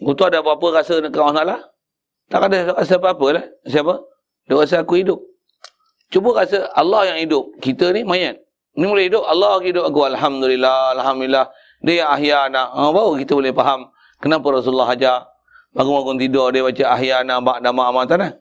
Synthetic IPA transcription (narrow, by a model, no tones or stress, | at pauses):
ɡut̪uadaapəapəkasənəkaŋanalah | t̪aʔkadəkas̬əapəapəlahsiapə | idʊʔkas̬əakuidʊp̚ | t͡ʃubəkasəalːɔhjaŋidʊp̚kit̪ənimajan̚ | nimulahidʊp̚alːɑkidʊp̚akualħamd̪ulilːaalɦamduilːah | dəjaŋaɦjanaʔbaukit̪əbolɪhpaɦam | kənapərɔs̬ulːaɦad͡ʒa | maɡumaɡʊnt̪idɔdebat͡ʃəʔaɦjanaʔbaʔdamaːmat̪anah